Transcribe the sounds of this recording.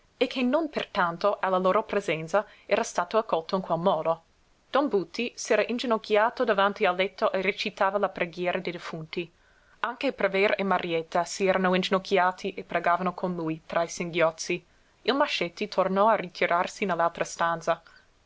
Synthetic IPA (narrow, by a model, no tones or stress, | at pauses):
ekʰːenonpert̪ant̪oʔalːaloːɾopɾezɛnt̪sa | ɛːɾast̪aːt̪oakːɔlt̪oinkwɛlmɔːd̪o | d̪̥ɔnbut̪ʰːisɛːɾaʔind͡ʒenokʰːjaːt̪od̪avant̪ialːɛt̪ːoʔeret͡ʃit̪aːvalapɾeɡjɛːɾʔad̪ejd̪efunt̪i | aŋkepɾavɛɾemaɾjɛt̪ːasiɛːɾanoind͡ʒenokʰːjaːt̪ʰiʔepɾeɡaːvanokʰonlujt̪ɾajseŋɡjɔt̪sːi | ilmaʃɛt̪ːit̪ʰornɔarit̪ʰiɾʔarsinelːalt̪ɾʔast̪ant̪sa